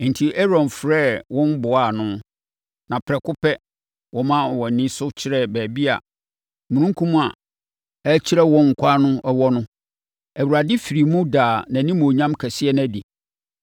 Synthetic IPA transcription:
n̩˨tʰi˨ʔɛ˦ɾɔ̃˨nfɾɛː˦˨wɔ̃˦n˦bʊ˨a˦˨nʊ̃˦ | nã˨pʰɾɛ˨kʊ˦pʰɛ˦ | wɔ˦mã˦˨wɔ˨nĩ˦sʊ˦t͡ɕʰɪ˦ɾɛ˦bæː˨bi˦a̰˨ | mũ˨ɾũ˦ŋ˦kʰũ˦mũ˦a̰˨ | ɛ˦t͡ɕʰi˦ɾɛ˦wɔ̃˦ŋ̩˨kʷʰa˦nʊ̃˦ʔɛ˦wɔ˦nʊ̃˦ | æ˨wu˨ɾa˨dɪ˦fi˨ɾi˨mũ˦daː˨nã˨nĩ˦mõ˨ɲã˦mkʰɛ˨sɪ˦ɛ˦næ̃˦di˨

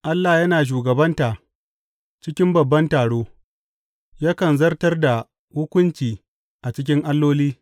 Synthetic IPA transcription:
ʔa˦lːa˨jɐ˦naː˨ʃ̬uː˨ɡɐ˨bɐ˦nta˨ | t͡ʃɪ˦kʲɪ˦mbɐ˨bːɐ˦ntaː˨ɽoː˦ | jaː˦kɐ˨nzɐ˦rtɐ˦rda˨ | hʊ˦kʷʊ˦nt͡ʃiː˨ | ʔa˨t͡ʃɪ˦k̬ʲɪ˦ŋʔa˦lːoː˦liː˦

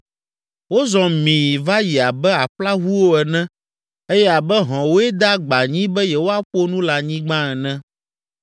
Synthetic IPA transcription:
wo˦zɔ̃˨mĩ˨ji˨va˦ji˨a˨bɛ˦a˨ɸla˦ɦu˦wo˦ɛ˨nɛ̃˦ | e˦jɛ˦a˨bɛ˦ɦɔ̃˨wo˦ɛ˦d̪a˦ɡ͡ba˨ɲĩ˦bɛ˦jɛ˨wo˦a˦ɸo˦nũ˦la˨ɲĩ˦ɡ͡bã˦ɛ˨nɛ̃˦

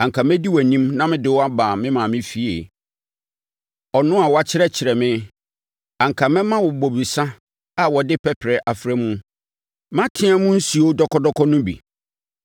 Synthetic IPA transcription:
ã˨ŋ̩˨kʰa˨mɛ̃˦di˦wnĩ˦mnã˦mɪ̃˦dɪ˦wɔ˦a˦baː˨mɪ̃˦mã˨mɪ̃˦fi˦ḛ˨ | ɔ˨nʊ̃˦a˨wɔ˨˦a˨t͡ɕʰɪ˦ɾɛ˦t͡ɕʰɪ˨ɾɛ˨mɪ̃˦ | ã˨ŋ̩˨kʰa˨mɛ̃˦mã˦wɔ˨bo˨bi˨sa˦ | a˨wɔ˨dɪ˦pʰɛ˦pʰɾɛ˨ʔa˨fɾɛ˦mũ˦ | mã˦tʰɪ̃˦a˦mũ˦n̩˦si˨o˦dɔ˦kʰɔ˦dɔ˦kʰɔ˦nʊ̃˦bḭ˨

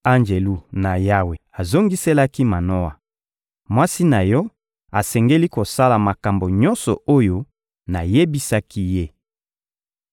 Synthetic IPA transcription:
a˦nd͡ʒe˨lu˦na˨ja˦we˨a˨zo˦ŋɡi˦se˦la˦ki˦ma˨nɔ˦a˨ | mwa˦si˦na˨jɔ˦ | a˨sɛ˨ŋɡe˦li˦ko˨sa˦la˨ma˨ka˨mbo˨ɲɔ˦nsɔ˨o˦jo˦ | na˨je˦bi˦sa˦ki˦je˦

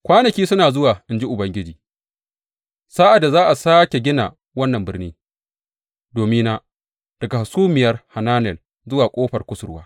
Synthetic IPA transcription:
kʷaː˦nɐ˨kʲiː˦sʊ˦naː˨zʊ˦waː˨ʔɪ˨nd͡ʒi˦ʔʊ˨bɐ˦ŋɡʲɪ˦d͡ʒiː˨ | sa˦ʔa˨da˨zaː˦ʔa˨saː˦kʲe˨ɡʲɪ˦na̰˨ | wɐ˦nːɐ˨mbɪ˦rniː˦ | doː˨mɪ˦na˦ | d̥ɐ˨ɡa˨ha˨suː˦mɪ˨jɐ˦rha˨naː˦nɛ˨l | zʊ˦waː˨kʷʼoː˦ɸɐ˨rkʷʊ˦sʊ˨ɾwaː˦

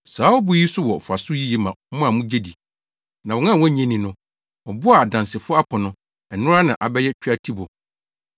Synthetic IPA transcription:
saː˨˦ɔ˦bʊ˦ji˦sʊ˦wɔ˨fʊ˨a˨sʊ˦ji˦jɛ˨mã˨˦mʊ̃˦a˨mũ˦d͡ʑe˦di˨ | nã˨wɔ̃˨nã˦˨wɔ̃˦˨˦ɲɛ̃˦nĩ˨nʊ̃˦ | ɔ˨bʊ˦a˨a˨dã˨nsɪ˨fʊ˦ɔ˦a˦pʰɔ˨nʊ̃˦ | ɛ˨nʊ̃˦ɾa˦nã˨ʔa˨bɛ˦jɛ˦t͡ɕᶣa˦tʰi˦bʊ˨

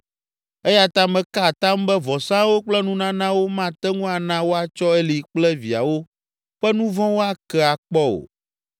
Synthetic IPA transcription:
ɛ˦ja˨t̪ã˦mɛ̃˨ka˦˨t̪ã˦mbɛ˦vɔ˨sã˦wo˦k͡plɛ˦nũ˦nã˦nã˦wo˦mã˦t̪ɛ˦ŋũ˦a˨nã˦wo˦a˨t͡ʃɔ˦ɛ˦li˨k͡plɛ˦vi˨a̰˨wo˦ | ɸɛ˦nũ˦vɔ̃˦wo˦a˦kɛ˦a˨k͡pɔ˦o̰˨

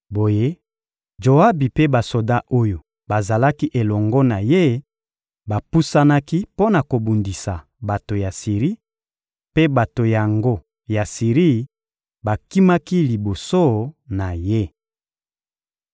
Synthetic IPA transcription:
bo˨je˦ | ʒo˨a˦bi˨pe˦ba˨so˨da˦ʔo˦jo˨ | ba˨za˨la˦ki˦ʔe˨lɔ˨ŋɡɔ˦na˨je˦ | ba˨pu˦sa˦na˦ki˦po˦na˨ko˨bu˨ndi˨sa˨ | ba˨to˨ja˨si˨ʁi˦ | pe˦ba˨to˨ja˨ŋɡo˦ | ja˨si˨ʁi˦ | ba˨ki˦ma˦ki˦li˨bo˨so˦na˨je˦

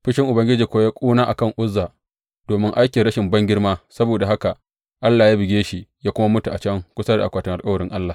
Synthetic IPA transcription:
ɸɪ˦ʃɪ˦ŋʔʊ˨bɐ˦ŋɡʲɪ˦d͡ʒiː˨kʷo˦jaː˦kʷʼuː˦naː˦ʔa˨kɐ˦˨ŋʔʊ˦zːaː˨ | d̥oː˨mɪ˦ŋʔa˦jkʲɪ˨ɽɐ˦ʃɪ˨mbɐ˦ŋɡʲɪ˦ɽmaː˦sɐ˦boː˨da˨ɦa˦ka˨ | ʔa˦lːaː˨jaː˦bɪ˨ɡʲeː˦ʃi˨ʔjaː˦kʷʊ˦ma˦mʊ˦tu˨ʔa˨t͡ʃɐ˦ŋkʷʊ˦sɐ˦da̰˨a̰˨kʷaː˨tɪ˦ŋʔa˨kʼɐ˦wɐ˨ɾɪ˦ŋʔa˦lːaː˨

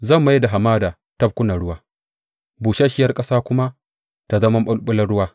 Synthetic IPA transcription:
zɐ˦˨mːa˦ji˦da˨ɦa˨maː˦daː˨ | tɐ˦b̚kʷʊ˦nɐ˨ɽʊ˦waː˦ | buː˨ʃa˦ʃɪ˦jɐ˦rkʼɐ˦saː˦kʷʊ˦ma˦ | ta˨zɐ˦mɐ˦mɓʊ˦lɓʼʊ˦lɐ˦rɽʊ˦waː˦

